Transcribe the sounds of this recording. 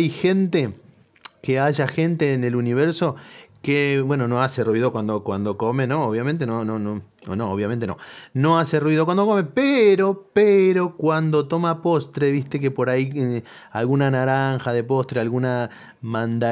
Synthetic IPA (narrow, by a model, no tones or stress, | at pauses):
jxe̞nt̪e̞ | keaʒaxe̞nt̪eːne̞luniβ̞eɾso̞keβwe̞no̞no̞ase̞rwiðo̞kwand̪okwand̪o̞ko̞me̞no̞oβjamẽnt̪enonononooβjament̪eno̰no̞ase̞rwið̞okwand̪o̞kome̞peɾo̞peɾo̞kwand̪ot̪o̞mapo̞st̪ɾe̞βist̪e̞k̬e̞po̞ɾai | alɣunanaɾaŋxaðe̞po̞st̪ɾealɣuna | mãnd̪a